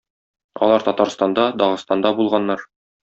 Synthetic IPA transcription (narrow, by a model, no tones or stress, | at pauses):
ɒ̰lˠɑɾt̪ɒt̪ɑɾst̪ɑnd̪ɑd̪ɒʁɤ̆st̪ɑnd̪ɑbulˠʁɑnːɑɾ